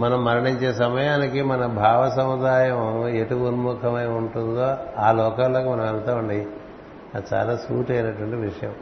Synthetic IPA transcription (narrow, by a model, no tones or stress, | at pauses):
mɐnɐmːɐɾɐɳiɲt͡ʃe̞ːsɐmɐjaːnikimɐnɐbʱaːʋɐsɐmud̪aːjɐme̞ʈuʋunumuːkʰɐmɐjuɳʈund̪oːaːlɔːkaːloːkumɐnɐ̃mɛlɐt̪aːuɳɖaːji | ad̪t͡ʃa̰ːlaːsṵːʈɐjnɐʈːʋɐɳʈiʋiʂɐjɐm